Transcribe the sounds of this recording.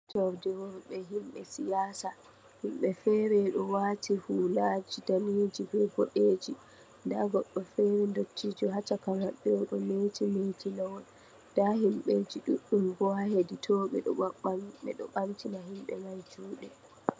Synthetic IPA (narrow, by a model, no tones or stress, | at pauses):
d͡ʒawdɛwɔɾɓɛɦimɓɛsijaːsa | himɓɛfɛɾɛɗɔwaːtʰihulad͡ʒidaniːd͡ʒibɛbɔɗeːd͡ʒi | ndaɡɔɗːɔfɛɾɛndotːiːd͡ʒuɦat͡ʃakamaɓːɛɔɗɔmetimetinawɔn | d̥ahimɓed͡ʒiɗuɗːumbɔhaheditʰɔːɓɛ̰ɗɔɓɛ̰ɗɔ̰ɓamtinaɦimɓɛ̰majt͡ʃuːɗɛ